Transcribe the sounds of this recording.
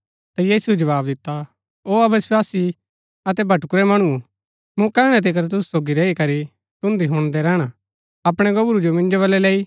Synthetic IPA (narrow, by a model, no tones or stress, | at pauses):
t̪ajiːsuɛd͡ʒɐʋaːbd̪ɪt̪ːa | oːɐʋəswaːsi | ɐt̪ɛbʱɐʈkʊɾɛmɐɽ̃u | mũkɛːɽ̃ɛt̪̬ek̬ɐɾt̪̬ʊsu̥soːɡiɾeːikɐɾi | t̪ʊ̃nd̪iɦʊ̃ɽ̃d̪ɛɾɛːɽ̃a | ɐpɽ̃ɛɡɐbʊɾud͡ʒomɪ̃nd͡ʒoβɐlɛleːi